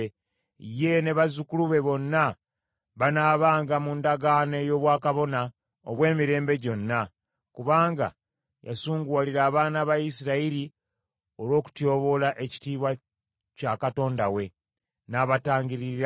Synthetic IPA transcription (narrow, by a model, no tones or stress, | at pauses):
je̞ne̞βazukuluβe̞βo̞nːa | βanaːβaːŋɡamundaɡane̞jo̞ːβwaːkaβo̞na | o̰βwe̞ːmiɾe̞ːmbe̞ɟo̞nːa | kuβaːŋɡa̰ | ja̰suːŋɡwaliɾaːβaːnaβajisiɾaiɾi | o̞lwo̞ːku̥tjo̞ːβo̞laʔe̞ci̥tiːβwa | cakato̞ːndawe̞ | naβataːɲɟiɾi